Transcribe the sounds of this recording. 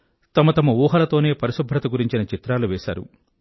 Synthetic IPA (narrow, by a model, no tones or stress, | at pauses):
t̪ɐmɐt̪ɐmɐuːɦɐlɐt̪o̞ːne̞ːpɐɾisɐbʱːɾɐt̪ɐɡuɾiɲt͡ʃinɐt͡ʃit̪ɾaːluʋɛːʃa̰ːɾṵ